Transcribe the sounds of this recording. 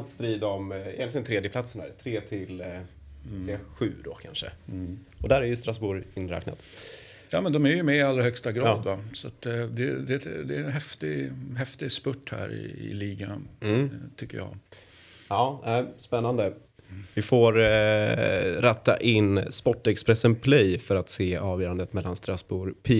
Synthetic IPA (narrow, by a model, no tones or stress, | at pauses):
t̪st̪ɾiːd̪ɔmɛ̰jɛnlɪɡənt̪ʰɾeːd̪jəpʰlat̪sənɳd̪æ̰ːɾt̪ʰɾeːt̪ʰɪl | sɛaɧʉ̟̰ːd̪o̰kʰanʂə̰ | ɔd̪æɾæɾjɵst̪ɾasbuːɾɪnɾɛ̰ːkna̰t̪ | jɑːmɛnd̪ɔmæɾjɵmɛɪalːɾahœkst̪aɡɾɑːd̪vasat̪d̪ɛd̪ɛd̪ɛnɦɛft̪ɪɦɛft̪ɪspɵʈːhæ̰ːɾɪ̰ɪ̰liːɡanm̩ːt̪ʰʏkːəjɑ̰ː | ɑːnæɪspɛnːand̪ə | vɪfoːɾ | ɾɛt̪ːa̰ʔɪnːspɔʈːɛkspɾɛsənpʰlɛjfœɾat̪seːɑːvjœːɾand̪ət̪mɛlːanst̪ɾasbuːɾpʰiː